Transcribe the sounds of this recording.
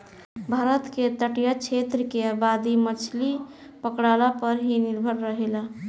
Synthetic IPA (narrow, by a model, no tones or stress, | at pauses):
bʱaɾət̪ket̪əʈjat͡ʃʰet̪ɾəkeabad̪imət͡ʃʰli | pəkɽalapəɾɦiniɾbʱəɾːəɦela